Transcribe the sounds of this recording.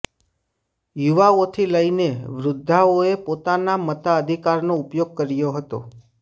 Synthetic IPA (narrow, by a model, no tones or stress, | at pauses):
juʋaot̪ʰiləineʋɾʊd̪ʱːaoepot̪anamət̪aəd̪ʱikaɾnoupjoɡ̚kəɾjoɦət̪o̰